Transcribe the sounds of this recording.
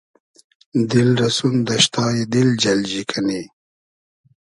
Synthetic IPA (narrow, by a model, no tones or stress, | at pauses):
d̪ilɾɐsund̪ɐʃt̪ɑːjid̪ild͡ʑɐld͡ʑikʰɐni